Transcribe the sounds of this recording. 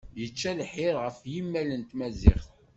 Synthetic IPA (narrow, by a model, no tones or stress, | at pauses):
jət͡ʃːælħɪɾʁəfjimːælənt̪mæzɪ̰χθ